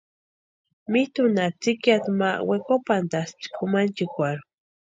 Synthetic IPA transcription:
mit̪unat͡sikjat̪mawekopand̪ast͡ʃkʰumant͡ʃikʷaɾu

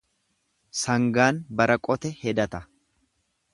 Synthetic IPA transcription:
sɐŋɡaːnbɐɾɐkʼɔt̪ɛhɛd̪ɐt̪ɐ

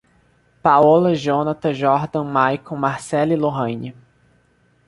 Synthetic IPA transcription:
pawɔlɐʒõnat̪ɐʒɔɾd̪ɐ̃wmajkõmaɾsɛliloɦɐ̃jni

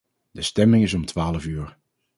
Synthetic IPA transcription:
d̥əstɛmɪŋɪsɔmtʋaːləfyːɹ

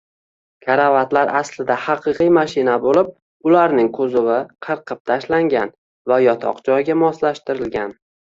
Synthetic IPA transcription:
kʲʰaɾavat̪laɾʔaslɪd̪ahɑqʰɨqijmaʃɪnabolɪp̚ | ʊlaɾnɪŋkʰɵzʊwɪqʰɨɾqʰɨp̚t̪ʰaʃlaŋɡʲan | vajɒt̪ʰɒ̰qd͡ʒɒjɡʲamɒslaʃt̪ɪɾɪlɡʲan

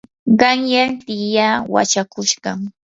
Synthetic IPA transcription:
ɢɑŋjant̪ɪjawa̰t͡ʃakʊʃɢɑŋ

